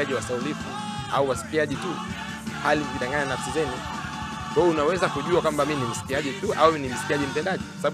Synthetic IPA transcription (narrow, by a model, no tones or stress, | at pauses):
aʄiwasaulifṵ | a̰uwasi̥kiaʄitu | halim̩kiɗaŋɡaɲanafsizɛnu | kwajɛunawɛzakuʄuakwambaminim̩si̥kiaʄituʔauinim̩si̥kiaʄim̩tɛndaʄikwasaɓaɓ